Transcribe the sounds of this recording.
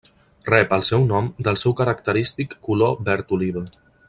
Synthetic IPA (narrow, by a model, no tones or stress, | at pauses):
rɛpəlˠsɛwnɔmd̪əlˠsɛwkəɾəkt̪əɾist̪ikːulobɛɾt̪uliβə